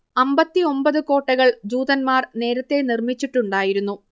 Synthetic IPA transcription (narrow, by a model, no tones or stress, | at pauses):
ɐmbɐt̪ːio̞mbɐðɨko̞ːʈːɐɣɐɭd͡ʑuːd̪ɐnmaːrne̞ːɾɐt̪ːe̞nirmit͡ɕːiʈːuɳɖaːjiɾunːu